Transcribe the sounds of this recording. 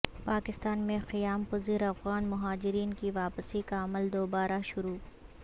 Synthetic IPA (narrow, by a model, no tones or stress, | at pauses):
paːkɪst̪aːnmẽqɪjaːmpʊziːɾɐfɣaːnmʊɦaːd͡ʒɪɾiːnkiʋaːpsikaɐməld̪oːbaːɾaʃʊɾuː